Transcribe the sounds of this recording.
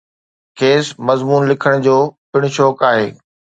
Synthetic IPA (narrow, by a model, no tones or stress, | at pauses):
kʰeːsmɐzmuːnlɪkʰəɽ̃d͡ʑoːpɪɽ̃ʊʃɔːkaːɦeː